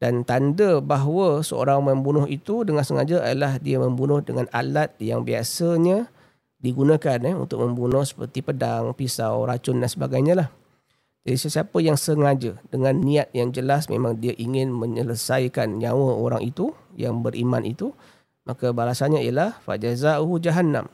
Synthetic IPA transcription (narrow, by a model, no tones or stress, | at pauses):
d̥ant̪andəbaɦwəsəo̰ɾaŋməmbunʊɦit̪udəŋansəŋa̰d͡ʒəʔajalahdiaməmbunʊhdəŋana̰lat̪̚jaŋbia̰səɲa | diɡunakanɛṵnt̪ʊk̚məmbunʊhsə̥pə̰rt̪ipədaŋpisawɾat͡ʃʊndansəba̰ɡajɲãlah | d͡ʒadisəsiapəjaŋsəŋad͡ʒədəŋanːiat̪̚jaŋd͡ʒəlasmḛmaŋdiaʔiŋɪnməɲələsajkanɲawəoɾa̰ŋʔit̪uja̰ŋbərʔḭmã̰nʔḭt̪u | mʔakabalasanɲaijəlahfa̰ʔd͡ʒazauɦud͡ʒaɦanã̰m